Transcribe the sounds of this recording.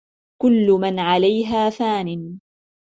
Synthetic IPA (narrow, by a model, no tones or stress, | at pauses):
kʊlːʊmanʕalajɦaːfaːnɪn